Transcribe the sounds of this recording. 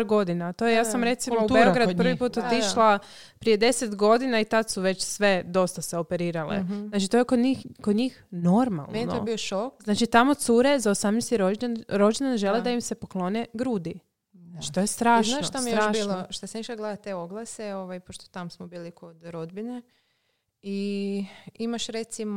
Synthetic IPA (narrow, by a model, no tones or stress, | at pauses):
ɾɡo̞d̪inat̪o̞jejaːsamɾe̞t̪simoubeoɡɾad̪pɾʋipuːt̪ot̪iʃlˠa | pɾije̞d̪e̞set̪ɡo̞d̪inait̪ad̪suʋe̞t͡ɕsʋe̞d̪o̞st̪aseo̞pe̞ɾiːɾalḛznat͡ʃit̪o̞jekod̪ɲikod̪ɲixno̞ɾma̰lˠnmennoobioʃokznaːt͡ʃit̪amo̞t̪suɾezaosamnest̪iɾonɾo̞d͡ʒenanʒe̞led̪aimse̞poklˠo̞neɡɾuːd̪i | nat͡ʃi̥t̪ojest̪ɾaːʃanaot̪aij̪jɾaːʃiloʃt̪asaiʃlaɡlad̪att̪eoɡlˠaseoʋajpoʃt̪ot̪amsmobiːlikʰod̪ɾod̪bine | i | imaʃɾet̪sim